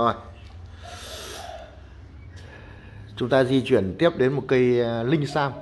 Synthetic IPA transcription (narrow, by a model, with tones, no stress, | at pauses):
j | t͡ɕʊ˨˦ŋ͡mt̪aː˧zi˧t͡ɕwi˧˩ənt̪i˦˥əp̚ɗe˨˦nmo˨˩t̚kə˧jlï˧ŋ̟saː˧w